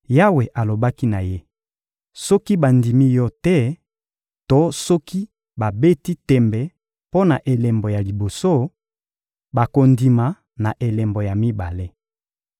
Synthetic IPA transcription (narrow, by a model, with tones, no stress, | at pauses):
ja˦we˨ʔa˨lo˨ba˦ki˦na˨je˦ | sɔ˦ki˦ba˨ndi˨mi˦jɔ˦tɛ˦ | to˦sɔ˦ki˦ | ba˨be˦ti˦tɛ˨mbɛ˨ | po˦na˨ʔe˨le˨mbo˨ja˨li˨bo˨so˦ | ba˨ko˨ndi˨ma˨ | na˨ʔe˨le˨mbo˨ja˨mi˦ba̰˨le˦